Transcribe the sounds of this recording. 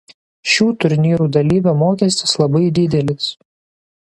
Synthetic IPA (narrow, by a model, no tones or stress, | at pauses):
ʃʲuːt̪ʊɾʲnʲiːɾuːd̪ɐlʲiːbʲɛmoːkʲɛsʲt̪ʲɪslˠɐbɐɪd̪ʲɪd̪ʲɛlʲɪs